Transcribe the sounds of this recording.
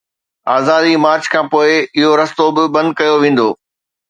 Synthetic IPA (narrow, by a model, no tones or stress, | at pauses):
aːzaːd̪imaːɾd͡ʑkʰãːpoːɪɪɦoɾɐst̪obɪbɐ̃nd̪̚kɐjoʋẽːn̆d̪oː